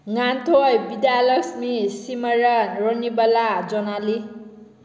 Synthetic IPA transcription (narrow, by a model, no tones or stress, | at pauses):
ŋant̪ʰobid̪jalʌsmisimʌɾanronibʌlad͡zɔnali